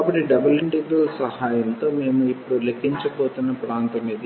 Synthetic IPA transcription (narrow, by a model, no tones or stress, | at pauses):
ɐbɐʈːiɖɐbɐliɳɖiɡ̪ɐlsɐhaːjɐnt̪o̞ːme̞ːmuipːuɽulekːiɲt͡ʃɐboːt̪unːɐpɾaːnt̪ɐmiːd̪i